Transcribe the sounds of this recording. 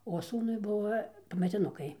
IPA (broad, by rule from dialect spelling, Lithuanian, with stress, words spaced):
oː ˈsuːnʊɪ ˈbʊʋoː pɐmʲɛtʲɪˈnʊkɐɪ